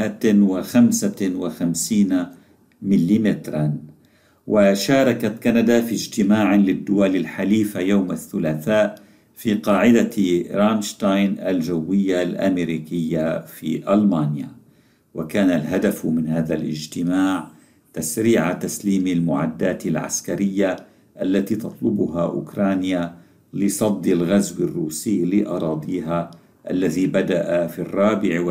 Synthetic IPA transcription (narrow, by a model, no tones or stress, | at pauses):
ʔat̪wɪxamsawɪxamsiːna | mɪlːimɪt̪ɾˤɑn | wɪʃaːɾˤɑkat̪kanad̪afid͡ʒt̪ɪmaːʕlɪd̪ːʊwalɪlħaliːfajawmaθːʊlaːθaːʔ | fiːqɑːʕɪd̪aɾaːnʃt̪ajnalʒawːɪjːalʔa̰meɾiːkɪjːafiːʔalmaːnja̰ | wakaːnalɦad̪afmɪnhaːðalʔɪ̰d͡ʒt̪ɪmaːʕ | t̪asɾiːʕat̪asliːmalmʊʕad̪ːaːt̪ɪlʕa̰skaɾɪjːa | ʔalːat̪iːt̪ɑt̪ˤlʊbʊɦaʔʊ̰kɾˤɑːnja | lɪsˤɑd̪ːɪlɣazwɪrːuːsiːlɪʔɑɾˤɑːd̪ˤiːɦa | ʔalːaðibad̪aʔafirˤːɑːbɪʕw